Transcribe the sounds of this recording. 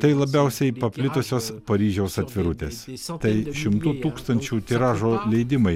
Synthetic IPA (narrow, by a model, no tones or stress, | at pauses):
t̪ɐɪlˠɐbʲɛʊsʲɛɪpɐpʲlʲɪt̪osʲoːspɐɾʲiːʒʲɛʊsɐt̪ʲʋʲɪɾʊt̪ʲeːst̪ɐɪʃʲɪmt̪uːt̪uːkst̪ɐnʲt͡ʃʲuːt̪ʲɪɾɑːʒoːlʲɛɪd̪ʲɪmɐɪ